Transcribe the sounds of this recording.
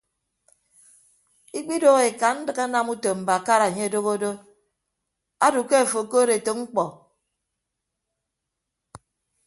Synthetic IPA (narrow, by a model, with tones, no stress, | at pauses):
i˦k͡pi˦do˦ɣe˨ka˨n̩˦dɨ˨ka˦na˦˨mu˦to˨m̩˨ba˨a˨ka˦ɾa˨ɲe˦e˨do˦ɣo˦do˦ | a˦du˨ke˦a˨fo˨ko˦ɾe˨to˨ŋ͡m̩˦k͡pɔ˨